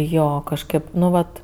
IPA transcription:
ˈjoː kɐʃˈkɜp ˈnʊ ˈʋɐt

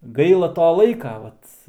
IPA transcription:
ˈɡɐɪlˠɐ ˈtoː ˈlˠɐɪkɐ ˈʋɐt

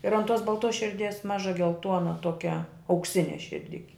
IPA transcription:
ɪr ɐn ˈtuɔs bɐlˠˈtoːs ʃʲɪrʲˈdʲiɛs ˈmɑːʒɐ ɡʲɛlˠˈtuɔnɐ ˈtuɔkʲɛ ɐʊkˈsʲɪnʲɛ ʃʲɪrʲˈdʲɪkʲɪ

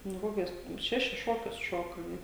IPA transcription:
nʊ ˈkoːkʲʊs ˈʃʲæːʃʲɪs ˈʃoːkʲʊs ˈʃoːkɐ nʊ

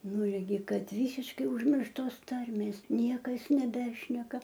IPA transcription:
ˈnʊ ɪrʲˈɡʲɪ ˈkɐt ˈʋʲiːsʲɪʃkɐɪ ʊʒʲˈmʲɪrʃtoːs ˈtɐrʲmʲeːs ˈnʲiɛkɐs nʲɛˈbʲæːʃʲnʲɛkɐ

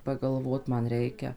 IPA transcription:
pɐɡɐlˠˈʋoːt ˈmɐn ˈrʲɛɪkʲɛ

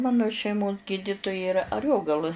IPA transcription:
ˈmɑːnoː ʃʲɛɪˈmoːs ˈɡʲiːdʲɪtʊjɛ ɪˈrɐ ɐˈrʲoːɡɐlˠɨ

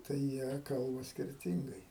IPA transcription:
tɐɪ ˈjiɛ ˈkɐlˠbɐ sʲkʲɪrʲˈtʲɪŋɡɐɪ

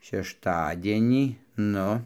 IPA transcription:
ʃʲɛʃˈtɑːdʲiɛnʲiː ˈnʊ

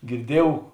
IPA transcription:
ɡʲɪrʲˈdʲiɛjuɔw

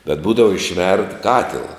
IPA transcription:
bʲɛt ˈbuːdɐʋɐ ɪʃʲˈʋʲɛrt ˈkɑːtʲɪlˠɐ

